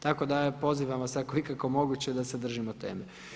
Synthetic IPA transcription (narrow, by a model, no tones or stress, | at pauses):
t̪ako̞d̪apo̞ziːʋamʋasakoikako̞mo̞ɡut͡ɕed̪ased̪r̩ʒimot̪e̞̰ːme